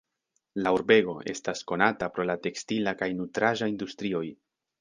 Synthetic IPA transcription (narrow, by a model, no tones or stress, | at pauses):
lauɾbe̞ɡo̞e̞̰stasko̞natapɾo̞late̞kstilakajnutɾaʒaindustɾio̞j